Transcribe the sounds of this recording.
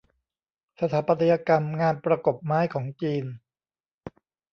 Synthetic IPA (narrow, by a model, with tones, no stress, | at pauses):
sa˧t̪ʰaː˩˦pa˧t̪ʰa˧ja˧ka˧mŋaː˧˩npɾa˧ko˨˩p̚maː˦˥˩jkʰɔː˩˦ŋt͡ɕiː˧n